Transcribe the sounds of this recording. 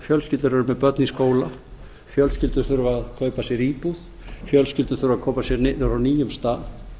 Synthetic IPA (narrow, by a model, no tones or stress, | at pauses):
fjœlscɪlt̪ʏɾvɛɾʏmɛðpœt̪niskoːwla | fjœlscɪlt̪ʏɾ̥θʏɾvʏaðkʰœːɥpasjɛɾiːpuð | fjœlscɪlt̪ʏ̥ɾ̥θʏɾʏvaðkʰoːwpasjɛɾnɾawniːjʏmst̪aːθ